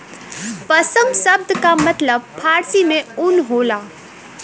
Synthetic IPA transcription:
pəsə̃ŋɡsəbd̪ʱkamət̪ləb̚pʰaɾsimẽunɦola

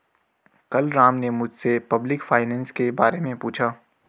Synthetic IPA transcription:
kɐlɾãːmnemʊd͡ʒʱsepɐblɪkfʰaːɪnɛ̃ːnskebaːɾemẽpuːt͡ʃʰaː

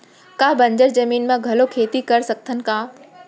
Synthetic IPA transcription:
kaːbɐ̃ɲd͡ʑəɾzɐmiːnmãɡʱɐlokʰeːt̪ikɐɾsɐk̚t̪ʰənɪ̆kãː

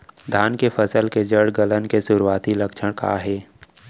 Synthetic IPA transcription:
d̪ʱaːnkefəsəlked͡ʒəɽɡələnkesʊɾuaːt̪ilɐkʃʰəɽ̃ka̰ɦɛː

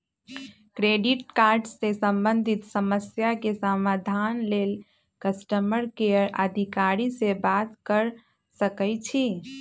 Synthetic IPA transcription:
kɾeɖiʈ̚kaɾɖsesəmbənd̪ʱit̪səməsjakesamad̪ʱanlel | kəsʈəməɾkeəɾʔə̰d̪ʱikaɾisebat̪kəɾ | səkəjt͡ʃʰi

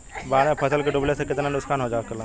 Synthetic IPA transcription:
baːɾẽpʰəsəlkeɖʊblesekɪt̪nanʊskʰaːnɦoːd͡ʒaːkəlaː

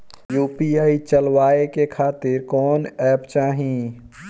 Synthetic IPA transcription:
juːpiaːit͡ʃəlwaːekekʰaːt̪ɪɾkɔːnɛːpt͡ʃaːɦĩ

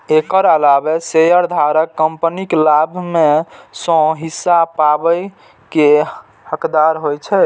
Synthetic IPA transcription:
ekəɾəlabesejəɾd̪ʱaɾəkːəmpəniklabʱmesɔ̃ɦisːapabəj | ke | həkd̪aɾɦojt͡ʃʰɛ

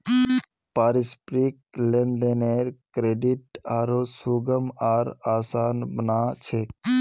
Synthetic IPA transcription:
paːɾispɾiklẽnd̪eneɾkɾeːɖiʈ̚aːɾosuɡəmaːɾaːsaːnbənaːt͡ʃʰe

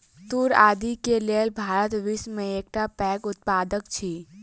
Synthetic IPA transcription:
t̪uːɾaːd̪ikelelbʱaːɾət̪ʋismẽeːk̚ʈapɛːkʊt̪̚paːd̪əkt͡ʃʰiː

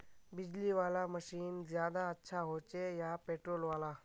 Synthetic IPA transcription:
bid͡ʑliʋalaməɕiːnd͡ʑjad̪aətːɕʰaɦot͡ɕejapeʈɾolʋala

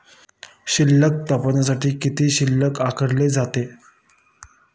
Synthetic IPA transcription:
ɕilːək̚t̪əpənas̬aʈiːkit̪iːɕilːəkakʰəɾled͡zat̪e

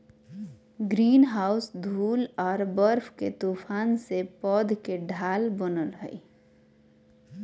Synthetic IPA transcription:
ɡɾiːnɦaːʊsd̪ʱuːlɔːɾbəɾfʰket̪uːpʰaːnsepɔːd̪ʱkeɖʱaːlbənəlɦə̰i

